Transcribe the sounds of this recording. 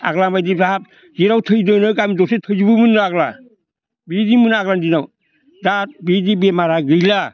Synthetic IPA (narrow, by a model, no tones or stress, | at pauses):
a̰ɡlabajdizaɦat̚ | d͡ʒiɾawtʰɯjdɯnɯkamidɔsetʰɯjd͡ʒibɯmɯnːɯaɡla | bidimɯnaɡlandinaw | dat̚bidibemaɾaɡɯjla